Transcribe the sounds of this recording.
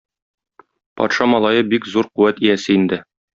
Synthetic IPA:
pɒ̰t̪ʃɑmɒlˠɑjɤbikzuɾquwæt̪ijæsɘind̪ɘ

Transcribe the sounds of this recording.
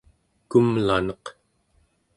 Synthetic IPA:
kumlanʌq

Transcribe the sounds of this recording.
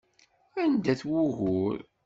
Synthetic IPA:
ænd̪æθwʊɣʊɾ

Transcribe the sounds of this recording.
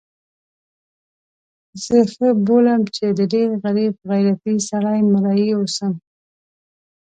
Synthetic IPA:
z̥əxəbolamt͡ʃed̪əɖeɾɣaɾib̚ɣajɾat̪isaɽɑjmaɾɑjiosəm

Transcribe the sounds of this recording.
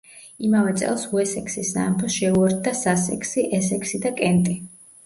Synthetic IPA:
imavɛt̪sʼɛ̰lˠsuɛsɛksisna̰mpʰɔsʃɛuɛɾt̪̚ʰd̪asasɛ̰kʰsiʔɛsɛksid̪akʼɛnt̪ʼi

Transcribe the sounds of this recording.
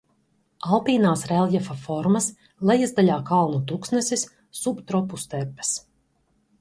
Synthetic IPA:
alˠpiːnaːsɾɛlˠjɛfafɔɾmɐs | lˠɛjazd̪alʲaːkalˠnut̪uksnɛsis | subt̪ɾɔpust̪ɛɾpɛ̥s

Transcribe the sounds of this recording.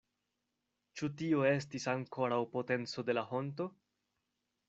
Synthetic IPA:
t͡ʃutio̞e̞stisaŋko̞ɾawpo̞te̞nt͡so̞de̞laho̞nto̞

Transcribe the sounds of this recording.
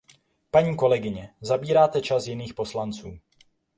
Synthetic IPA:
paɲiːko̞lɛɡɪɲɛzabiːɾaːt̪ɛt͡ʃasjɪniːxpo̞slant͡suː

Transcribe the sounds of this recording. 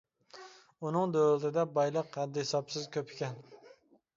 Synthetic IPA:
unɨŋd̪ølt̪ɪd̪ɛbɑjlˠəqːæd̪ːɪhɪsɑbsɪzkʲʰøpʰɪ̥kʲɛn

